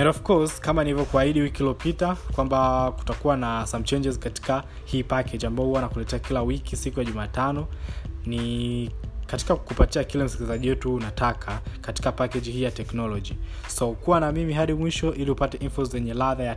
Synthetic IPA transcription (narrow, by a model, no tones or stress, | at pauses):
ɛ̃ndɔfkɔskamanilivjɔkuahiɗiwikiiliɔpitakwambaku̥takuwanasamt͡ʃɛnd͡ʒɛzkati̥ka | hiːpakɛd͡ʒiambaɔhuwanakulɛtɛakilawikisikujaʄumaːtanɔni | kati̥kakupatiakilɛm̩sikilizaʄiwɛtuːnatakʰakati̥kapakɛd͡ʒihiːjatɛknɔlɔʄi | sɔkuwanamimiɦaɗimwiʃɔʔiliupatɛʔinfɔzɛɲɛlaðaja